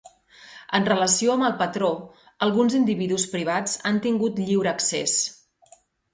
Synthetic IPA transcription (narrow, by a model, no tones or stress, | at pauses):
ənrələsioəməlˠpət̪ɾo | əlˠɣunzind̪iβiðuspɾiβ̞ad͡zant̪iŋɡut̪ʎiwɾəːkses